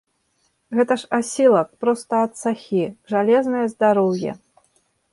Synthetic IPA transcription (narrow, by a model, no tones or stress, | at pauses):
ɣɛt̪ɐʂasʲilˠɐk̚pɾɔst̪ɐɐt̪saxʲiʐalʲɛznɨjɐzd̪aɾɔwjɛ̰